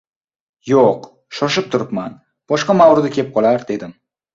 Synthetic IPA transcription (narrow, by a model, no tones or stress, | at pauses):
joq | ʃɒʃɪp̚t̪ʰʊɾɪpman | b̥ɒʃqɑmawɾɪd̪akʲe̞p̚qʰɒlˠaɾd̪e̞d̪ɪm